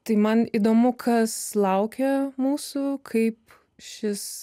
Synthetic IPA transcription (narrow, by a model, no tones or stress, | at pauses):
t̪ɐɪmɐniːd̪oːmʊkʰɐslˠɐʊkʲɛmuːsʊkʰɐɪp | ʃʲɪs